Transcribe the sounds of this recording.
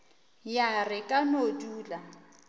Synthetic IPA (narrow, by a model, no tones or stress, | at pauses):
jarɪkʼanoduːla